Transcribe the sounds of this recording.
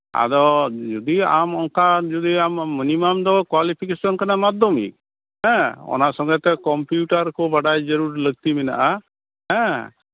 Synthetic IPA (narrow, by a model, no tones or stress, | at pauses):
a̰d̪ɔd͡ʒud̪ia̰mɔŋkad͡ʒud̪iamːinimamd̪ɔkwalipʰikesɔnkanamad̪ʱɔmḭk̚ | ɦɛ̃ɔ̰nasɔŋɡɛt̪ɛkɔmpjuʈaɾkɔbaɖajd͡ʒəɾuɾləɡ̚t̪imɛna̰ʔa | ɦɛ̃